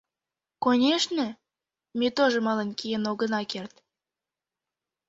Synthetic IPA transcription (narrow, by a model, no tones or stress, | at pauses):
konʲeʃnə | mʲet̪oʒəmɑlənkijenoɣənɑkert̪